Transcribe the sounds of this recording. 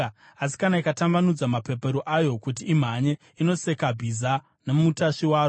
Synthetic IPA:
asi̥kanaikatambanud͡zamape̞pe̞ɾoʔajo̞kutiːm̤aɲe | ino̞se̞kabʱiza | nemutaʃiwaːɾo

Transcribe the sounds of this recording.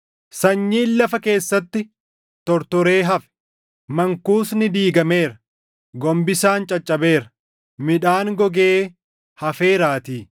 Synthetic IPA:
sɐɲːiːnlɐfɐke̞ːsːɐt̪ːɪ | t̪ɔɾt̪ɔɾe̞ːɦɐfɛ̥ | mɐŋkuːsnɪd̪iːɡɐme̞ːɾɐ | ɡɔmbɪsaːnt͡ʃʼɐt͡ʃʼːɐbe̞ːɾɐ̥ | mɪᶑaːŋɡɔɡeː | hɐfe̞ːɾaːt̪iː

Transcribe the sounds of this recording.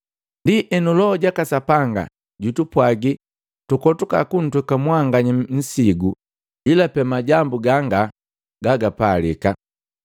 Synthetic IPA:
ndiʔɛnulɔɔɟakasapaŋɡa̰ | ɟutupwaɡi | tukɔtuka̰kun̩twɛkamwaŋɡaɲin̩siɡu | ilapɛmaɟambuɡaŋɡa | ɡaɡapalḭka

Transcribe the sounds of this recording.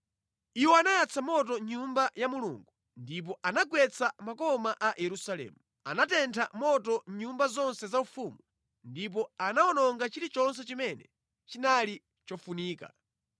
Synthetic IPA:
iwɔanajat͡sʰamɔt̬ɔɲumbajamulṵŋɡu | ndip̬ɔʔanaɡwɛt͡sʰamakɔmaʔajʔɛɾusalɛ̰ːmu | a̰natɛntʰamɔtɔɲumbazɔnsɛzaufumu | ndip̬ɔanaɔnɔŋɡat͡ʃiɾit͡ʃɔns̬ɛt͡ʃimɛnɛ̰ | t͡ʃinali | t͡ʃɔfuniːka̰

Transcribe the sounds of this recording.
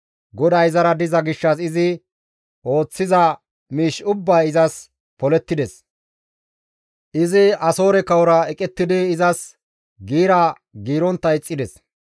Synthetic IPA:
ɡɔd̪ɐjɪzɐɾɐd̪ɪzɐɡɪʃːɐsɪzɪ | o̞ːt͡sːɪzɐ | miːʃʊbːɐːɪzɐs | pɔlɛt̪ːɪd̪ɛs | ʔɪzɪɐso̞ːɾɛkɐwɔɾɐɛkʼɛt̪ːɪd̪ɪːzɐs | ɡiːɾɐ | ɡiːɾɔnt̪ːɐjt͡sʼːɪd̪ɛs

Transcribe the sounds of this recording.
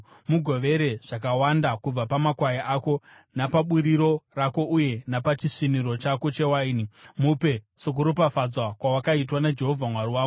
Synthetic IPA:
muɡʱo̞ʋe̞ɾe̞ʐ̥ak̬awandakub͡vapamakwajaʔako̞ | napaɓuɾiɾo̞rako̞ʔuje̞napat͡ʃiʂiniɾo̞t͡ʃako̞t͡ʃe̞wainimupe̞ | sok̬uɾopafad͡zwakwawakait̬wanad͡ʒe̞ɦo̞vʱamwaɾiwaːɡo

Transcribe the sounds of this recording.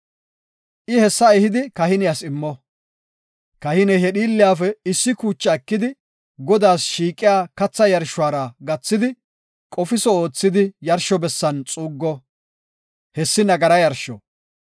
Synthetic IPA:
ʔɪhɛsːɐɛhɪd̪ɪkɐhɪnɪjasɪmːɔ | kɐhɪnɛɦɛɗiːlːɪjaːfɛɪsːɪkuːt͡ʃːɐɛkːɪd̪ɪ | ɡɔd̪aːsʃiːkʼːɪjaːkɐt͡sːɐjɐɾʃʊwaːɾɐɡɐt͡sːɪd̪ɪ | kʼɔfɪsɔoːt͡sːɪd̪ɪjɐɾʃɔbɛsːɐnt͡sʼuːɡːɔ | hɛsːɪnɐɡɐɾɐjɐɾʃɔ

